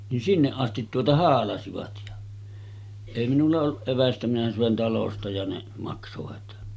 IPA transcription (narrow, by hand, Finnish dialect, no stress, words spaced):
nin sinːeʔ ʔɑstit tuotɑ hɑːlɑsiʋɑt jɑ eˑi minulːɑ olːuʔ ʔeʋæstæ minæ søˑen tɑlostɑ jɑ ne mɑksoʋɑt